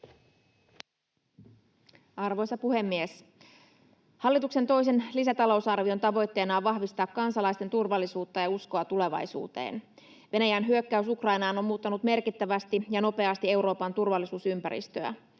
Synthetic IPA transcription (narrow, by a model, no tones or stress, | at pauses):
ɑrʋo̞jsɑpuɦe̞mːies | hɑlːit̪ukse̞nt̪o̞js̬e̞nlisæt̪ɑlo̞wsɑrʋio̞nt̪ɑʋo̞jt̪ːe̞ːnɑːʋɑɦʋist̪ɑːkːɑnsɑlɑist̪ent̪urʋɑlːisuːt̪ːɑjɑuskoɑt̪ule̞ʋɑ̰jsṵːt̪ḛːn | ʋe̞næjæːnɦyø̞kːæysukrɑjnɑːno̞mmuːt̪ːɑnut̪me̞rkit̪ːæʋæst̪ijɑno̞pe̞ɑst̪ie̞wɾo̞ːpɑnt̪urʋɑlːisuːsympæ̰ɾḭst̪øæ̰